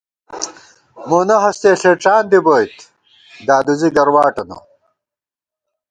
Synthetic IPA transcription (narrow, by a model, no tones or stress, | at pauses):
moːnɐɦɐst̪eːɬeːʈ͡ʂaːnd̪iboːjt̪ | d̪aːd̪uziɡɐɾwaːʈɐno̰